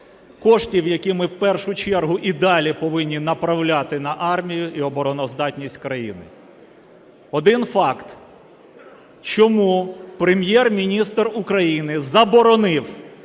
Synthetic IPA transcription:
kɔʃtʲiwjɐkʲimɪwpɛrʃʊt͡ʃɛrɦʊʔid̪ɑlʲipɔʋɪnʲːinɐpɾɐwlʲat̪ɪnɐʔɑrmʲijʊʔiɔbɔɾɔnɔzd̪ɑtʲnʲisʲtʲkɾɐjḭnɪ̰ | ɔd̪ɪnfɑkt̪ | t͡ʃɔmupɾemʲjɛrmʲinʲist̪rʊkɾɐjinɪzɐbɔɾɔnɪw

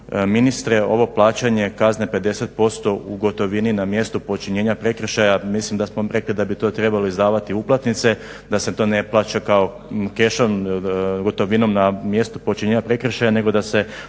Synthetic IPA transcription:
minist̪ɾeo̞ʋo̞plˠaːt͡ɕaɲe̞kaznepe̞d̪e̞set̪̚po̞st̪o̞uɡo̞t̪o̞ʋininamje̞st̪upo̞t͡ʃiɲeːɲapɾe̞kɾ̩ʃajamislimd̪asmoɾe̞klid̪abit̪o̞ːt̪ɾe̞baloizd̪aːʋat̪iuplˠat̪nit̪se̞ | d̪ase̞t̪o̞ːneplˠaːt͡ɕakao | ke̞ʃonɡo̞t̪o̞ʋinomnamje̞st̪upot͡ʃiɲeːɲapɾe̞kɾr̩ʃajane̞ɡo̞d̪ase̞

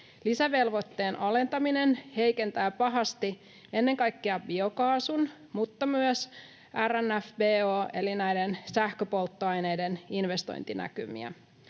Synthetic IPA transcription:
lisæʋe̞lʋo̞t̪ːe̞ːnʔɑle̞nt̪ɑmine̞nhejke̞nt̪æːpɑɦɑst̪i | e̞nːe̞ŋkɑjkːeɑbio̞kɑːsun | mut̪ːɑmyœs | ʔærænːæfbeːoːʔe̞linæjde̞nsæhkøpo̞lt̪ːoɑjne̞jde̞ninʋe̞st̪o̞̰jnt̪inæ̰kymḭæ̰

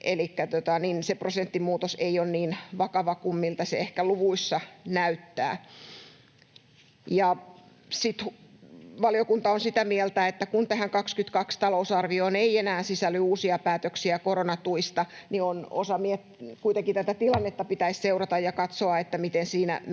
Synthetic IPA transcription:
ʔelikːæt̪ot̪ɑninseprosent̪ːimuːt̪oseionniːnʋɑkɑʋɑkumːilt̪ɑseehkæluʋuisːɑnæyt̪ːæ̰ː | jɑ | sit̪hʋɑlijokunt̪ɑonsit̪æmielt̪æet̪ːækunt̪æhæŋkɑkskyt̪kɑkst̪ɑlousɑrʋioːneienæːnsisælːyuːsiɑpæːt̪øksiækoronɑt̪uist̪ɑniono̰sɑmiet̪kuit̪eŋkit̪æt̪æt̪ilɑnːet̪ːɑpit̪æisseurɑt̪ɑjjɑkɑt̪soɑet̪ːæmit̪ensiːnæ̰

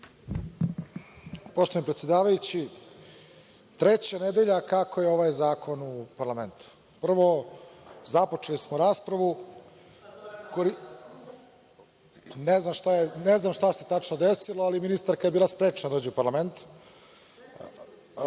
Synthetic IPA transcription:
poʃt̪oinmpɾet̪sjed̪aːʋajut͡ɕi | t̪ɾet͡ɕaned̪eʎakakʰojeo̞ʋajzaːkʰo̞nuupaɾlˠame̞nt̪u̥ | pr̩ʋo | zapot͡ʂelismoɾaːspɾaʋu | koi | neznamʃt̪ajeneznamʃt̪ase̞t̪at͡ʂnod̪esilˠoaliminist̪aɾkajebiːlˠaspɾeːt͡ʂnad̪oːd͡ʑiupaɾlˠame̞nt̪

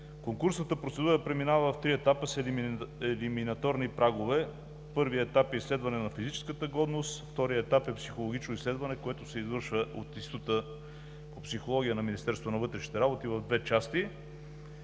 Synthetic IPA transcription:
koŋkuɾsnət̪əpɾot̪sɛd̪uɾəpɾɛminavəft̪ɾiɛt̪apəsɛɛliminɐt̪ɔɾnipɾaɡovɛ | pɤɾviəɛt̪apɛislɛd̪vɐnɛnɐfizit͡ʃɛ̥skət̪əɡɔd̪nost̪ft̪ɔɾijəɛt̪apɛpsixolˠoɡit͡ʃnoislɛd̪vɐnɛkoɛt̪ʊsɛizvɤɾʃvəʔot̪ist̪ot̪ə | popsixolˠɔɡʲijənɐminist̪ɛɾsvot̪onɐvɤt̪ɾɛʃni̥t̪ɛɾabot̪ivɐvd̪vɛt͡ʃast̪i

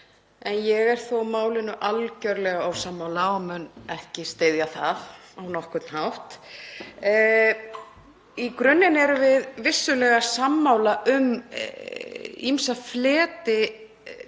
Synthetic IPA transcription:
ɛnjɛɣɛɾ̥θowmaːwlɪnʏʔalcœɾlɛɣaawsamːaːwlaɔmʏnɛhcɪst̪eːjðjaθaðawnɔhkʏt̪nhawht̪ | ikɾʏnːɪnɛɾʏvɪðvɪsːʏlɛɣasamːaːwlaʔʏm | imsaflɛːt̪ɪ

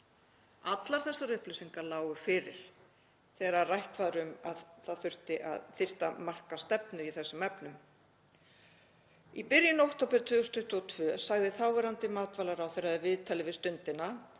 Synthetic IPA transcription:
at̪laɾ̥θɛsːarʏhplɪsiŋkalaːwɣʏfɪːɾɪ̰ɾ̥ | θɛːɣɾarajht̪vaːðɾʏmaðθaðθʏr̥t̪ɪʔa̰ðθɪr̥t̪amar̥kast̪ɛpnʏiθɛsːʏmɛpnʏm | ipɪɾjɪnowht̪ɔːpɪɾt̪ʰvʏːɣʏst̪ʰʏht̪ɔt̪ʰvœːsaɣðɪθaːwvɛɾant̪ɪmaːt̪valaɾawθɛjɾaðɪvɪðt̪ʰalɪvɪðst̪ʏnt̪ɪna

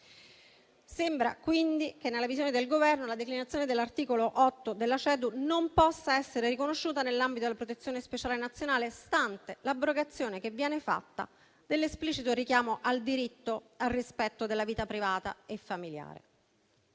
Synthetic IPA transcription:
sembɾa̰kwind̪ikenːelːavizjoːned̪elɡovɛrnolad̪eklinat̪sjoːned̪elːart̪iːkoloʔɔt̪ːod̪elːat͡ʃɛːd̪unompɔsːaɛsːeɾerikonoʃːuːt̪anelːambit̪od̪elapɾot̪et̪sːjoːnespet͡ʃaːlenat̪sːjonaːlest̪ant̪elabɾoɡat̪sːjoːnekevːjɛːnefa̰t̪ːa̰ | d̪elːespliːt͡ʃit̪oɾikjaːmoʔald̪iɾit̪ːoarːispɛt̪ːod̪elːaviːt̪apɾivaːt̪a̰efːamilja̰ːɾḛ

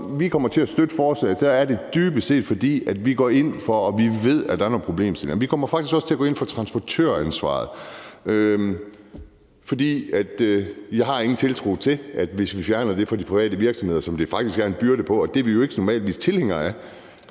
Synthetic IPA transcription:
ʋikʰɒ̽m̰ɐt͡sʰe̝æsd̥ød̥əfɒːsɛ̰sɒæɐd̥e̝d̥yːb̥əse̝̰ːd̥fɒ̽d̥ḭːæd̥ʋiɡ̥ɒ̰ːe̝n̰fɒ̽ːʋiʋe̝ð̞̰ˠæd̥ɑ̈æɐɒpʰʁo̝b̥le̝̰ːmsel̰nʋikʰɒ̽mɐfɑ̈ɡ̥is̬ɡ̥ɒ̽sət͡sʰe̝æɡ̥ɔ̰ːe̝nfɒt͡sʰʁɑ̈nsb̥ɒt͡sʰø̰ɐ̰ænsʋɑ̰̈ːð̩ˠ | fɒ̽d̥ḭːæd̥jɑ̈ɪhɑ̈e̝ŋn̩t͡sʰe̝lt͡sʰʁṵt͡sʰe̝ʔæd̥ʋe̝sʋifjæɐnɐd̥e̝fɒ̽d̥ipʰʁiʋɛ̰ːdəʋiɐɡ̥sɒmhe̝ðˠɐsɒ̽md̥e̝fɑ̈ɡ̥d̥isɡ̥æɐenb̥yɐɾ̥əpʰɒ̽ɒd̥eɐʋijo̝e̝ɡ̥ənɒmɛ̰ːld̥ʋḭːst͡sʰe̝lheŋ̰ɐæɐ

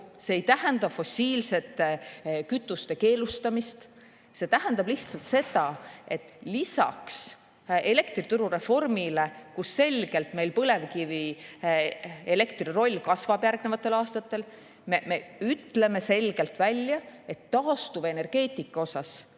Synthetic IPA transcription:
se̞ːjt̪æhend̪ɑfo̞sʲiːlse̞t̪ːˑekyt̪ːˑust̪e̞ke̞ːlust̪ɑmist̪ | se̞t̪æɦænd̪̥ɑb̥liht̪sɑlt̪se̞d̪̥ɑe̞t̪ːˑlisɑ̰ks | e̞le̞kt̪rit̪uɾuɾe̞fo̞rmile̞kusːe̞lʲɡ̥e̞lt̪me̞jlpɤle̞vkivi | e̞le̞kt̪riro̞lʲːkɑsvɑb̥jærɡne̞vɑt̪ːˑe̞lɑːst̪ɑt̪ːˑe̞l | meme̞yt̪ːˑle̞me̞se̞lɡ̥e̞lt̪vælʲjɑe̞t̪ːɑːst̪uvene̞rɡ̥e̞ːt̪ˑikːˑɑo̞sɑs

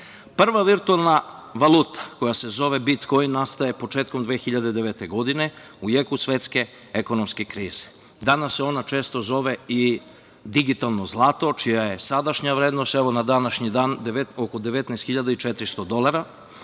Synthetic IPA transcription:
pr̩ʋaʋiɾt̪ualˠnaʋalˠut̪ḁko̞jase̞zo̞ʋe̞bit̪ko̞jinnast̪aje̞po̞t͡ʃeːt̪ko̞md̪ʋeːxiʎad̪e̞d̪eʋet̪eɡo̞d̪ine̞ | ujekusʋet̪ske̞ | eko̞nomske̞kɾiːz̥e | d̪anasːeo̞nat͡ʃeːst̪o̞zo̞ʋe̞i | d̪iɡit̪alˠno̞zlˠaːt̪o̞t͡ʃijaje̞sad̪aʃɲaʋɾeːd̪no̞st̪ɛʋo̞nad̪anaʃɲid̪aːnd̪eʋeoko̞d̪eʋet̪nɛst̪xiʎad̪ait͡ʃet̪ɾist̪od̪o̞lˠaɾa

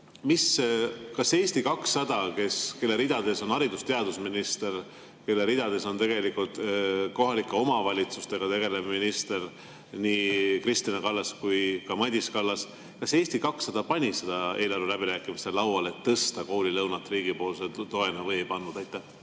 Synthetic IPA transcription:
miskɑse̞ːst̪ikɑksːɑd̪̥ɑke̞ske̞lːe̞ɾid̪̥ɑd̪e̞so̞nɑɾid̪ust̪e̞ɑd̪usminist̪e̞r | ke̞lːe̞ɾid̪ɑd̪e̞so̞nt̪e̞ɡe̞likult̪ko̞ɦɑlikːˑeo̞mɑvɑlʲit̪sust̪e̞ɡ̥ɑt̪e̞ɡ̥e̞levminist̪e̞r | niːkrist̪inekɑlːɑskujkɑmɑd̪ʲiskɑlːɑs | kɑse̞ːst̪ikɑksːɑd̪̥ɑpɑnʲise̞d̪̥ɑe̞ːlɑɾulæbiɾæːkːˑimiselɑwɑle̞t̪ːɤst̪ɑko̞ːlʲilɤwnɑt̪ːˑriːɡ̥ipo̞ːlset̪o̞e̞nɑvɤjejpɑnːud̪æjt̪ːˑæh

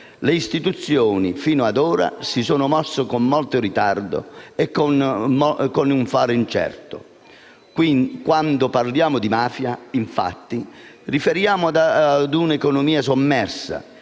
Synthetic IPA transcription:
leist̪it̪ut̪sːjɔːnifiːnʊad̪ɔːɾa̰sisoːnʊmɔsːokomːɔlt̪ʊɾit̪ard̪ʊ̰ɛkːnɔkonuɱfaːɾɪint͡ʃɛ̰rt̪ʊ̰ | kwinkwand̪ʊparljaːmʊd̪imaːfjaiɱfa̰t̪ːi | rifeɾjaːmʊd̪ad̪unɛkɔnʊmiːas̬omːɛrsa̰

